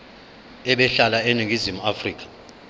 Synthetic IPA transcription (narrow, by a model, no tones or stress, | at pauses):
ɛɓɛɬalaeniɡʱizimuafriːk̬ʰʼḁ